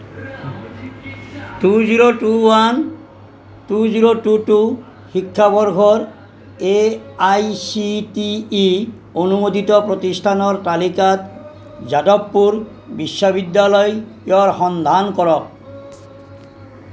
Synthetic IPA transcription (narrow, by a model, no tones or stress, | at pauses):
tuziɾoʈuwan | tuziɾotutu | xikʰːabɔɹɡʱɔɹ | eajsitiː | onumod̪it̪ɔpɹot̪istʰanɔɹtalikat̪ | zadɔpːuɾ | bisːɔbid̪ːjalɔjeɔɹxɔnd̪ʱankɔɹɔk̚